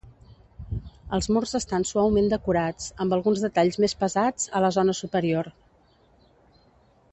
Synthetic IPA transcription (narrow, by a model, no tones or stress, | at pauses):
əlˠzmurzəst̪ansuawmend̪əkuɾat͡səmbəlˠɣunzðət̪aʎzmespəzad͡zələzonəsupəɾior